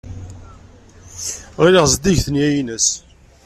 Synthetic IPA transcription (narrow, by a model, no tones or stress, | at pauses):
ʁiliʁzd̪iʝθəniæjinəs